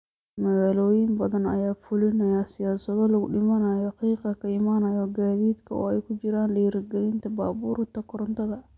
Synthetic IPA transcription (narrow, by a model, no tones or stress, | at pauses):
mɐɣaːlɔːjɪmbɐðɐnɐ̰jaːfʊlɪnɐjasɪjaːsɐðɔlɐɣʊɗɪmɐnɐjɔhɑqiːqɐkʰɐɪmaːnɐjɔɡaːðiːd̪kʰɐɔ̰ːɛjkʰʊt͡ʃɪɾaːnɖɛjɾɡɛlɪnt̪ʰɐbaːbuːɾt̪ʰɐkʰɔɾɔnt̪ʰɐðɐ